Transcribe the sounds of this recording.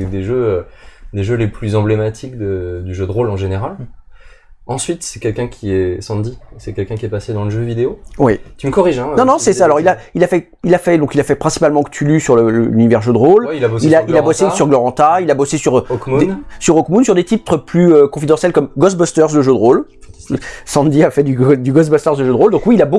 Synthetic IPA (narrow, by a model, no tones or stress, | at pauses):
d̪eʒøød̪eʒøleplyzɑ̃blemat̪ʰikd̪əd̪yʒød̪ʁolɑ̃ʒeneʁal | ɑ̃sɥit̪sɛ̥kʲɛlkʲɛ̃kʲʰiɛsɑ̃d̪isɛkʲɛlkʲɛ̃kʲiɛpased̪ɑ̃ləʒøvid̪eowɛt̪yməkɔʁiʒɛ̃nɔ̃nɔ̃sɛsaalɔʁilailafɛ | ilafɛd̪ɔ̃kilafɛpχɛ̃si̥palmɑ̃kə̥t̪ylysyʁlələ̰lynivɛʁʒød̪ʁolwilaboilailabosesyʁɡlɔʁɑ̃t̪ailabosesyʁɔkmud̪esyʁɔkmunsyʁd̪et̪it̪χəplyøkɔ̃fid̪ɑ̃sjɛlkɔmɡɔsbɔst̪œʁsd̪əʒød̪ʁol | sɑ̃d̪iafɛd̪yd̪yɡɔsbɔst̪œʁsd̪əʒød̪ʁold̪ɔ̃kwiːlabo